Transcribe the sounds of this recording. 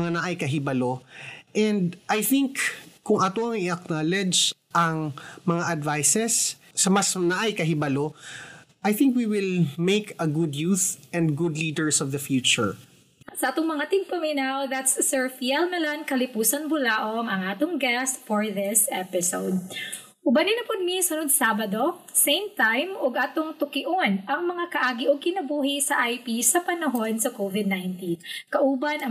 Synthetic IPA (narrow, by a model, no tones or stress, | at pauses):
ŋanɐʔajkɐɦɪbɐloʔɛ̃nd̪ʔajθɪŋkːʊŋʔɐt̪oʔɐŋɪɐk̚nalɛd͡ʒ | ʔɐŋmɐŋaʔɐd̪vajsɛsː | ɐmɐsnɐʔajkɐɦɪbɐlo | ʔajθɪ̃ŋkwiwɪlmejkɐɡʊd̪juθɛ̃nd̪ɡʊd̪lid̪ɛɹsɔvðɐfjut͡ʃʊɹ | sɐʔaːt̪ʊŋmɐŋat̪ɪŋpomɪnawðat̪sːɛɹfiɛlnɐlɐŋkɐlɪpuːsɐnbʊlaːʔoŋɐŋaːt̪oŋɡɛst̪fɔɹðɪsʔɛpɪsowd̪̚ | ʔʊbɐnɪnɐpʊd̪̚misɐnod̪saːbɐd̪o | sejmt̪ajmoɡʔaːt̪oŋt̪ʊkɪʔonʔɐŋmɐŋakɐʔaːɡɪʔoɡ̚kɪnɐbuːhɪsɐʔajpisɐpɐnɐɦo̞nsɐkovɪd̪̚najnt̪inkɐʔuːbɐnɐ